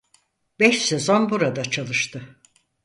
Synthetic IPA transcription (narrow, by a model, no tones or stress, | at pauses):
bɛʃsezo̞nbuɾad̪at͡ʃʰalˠɯʃt̪ʰɯ